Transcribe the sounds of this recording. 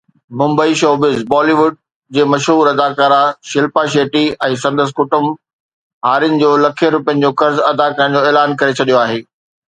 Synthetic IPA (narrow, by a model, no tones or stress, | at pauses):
mʊ̃mbəiʃoːbɪzbɔːliʋʊɖ̚ | d͡ʑeːmɐʃɦuːɾɐd̪aːkaːɾaʃɪlpaʃeːʈiɛ̃ːsɐ̃nd̪əs̬kʊʈəm | ɦaːɾɪənɪ̆d͡ʑoːlɐkʰiəɾʊpijənɪ̆d͡ʑoːkɐɾzɐd̪akɐɾə̃ɽ̃̆d͡ʑoːeːlaːnkɐɾet͡ɕʰɐɗijoaːɦeː